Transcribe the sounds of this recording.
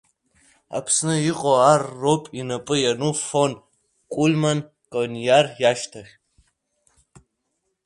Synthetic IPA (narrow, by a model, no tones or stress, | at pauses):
a̰pʰsnɨjɪqʼoarːopʼinɐpʼɨjanufon | kʷʼulmɐn | kʼonjarjaːʃtʰɐχʲ